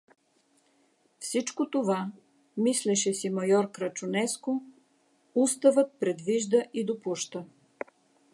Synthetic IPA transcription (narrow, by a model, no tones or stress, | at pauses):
fsit͡ʃkot̪ova | mislɛʃɛsimɐjɔɾkɾət͡ʃʊnɛsko | ust̪əvət̪̚pɾɛd̪viʒd̪əʔid̪opuʃt̪ə